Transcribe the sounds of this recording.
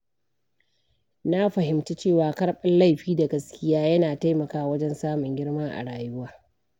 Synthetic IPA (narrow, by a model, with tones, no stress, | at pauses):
na˦ɸɐ˨ɦɪ˨mti˦t͡ʃeː˦˨waː˨kɐ˦ɽɓɐ˦nla˦˨jɸiː˦da˨ɡɐ˦skʲɪ˦jaː˦jɐ˦naː˨ta˦jmɐ˨kaː˦wɐ˦d͡ʒɛ˦nsaː˦mʊ˨ŋɡʲɪ˦ɽma˦ŋʔa̰˨ɽaː˨jʊ˦waː˦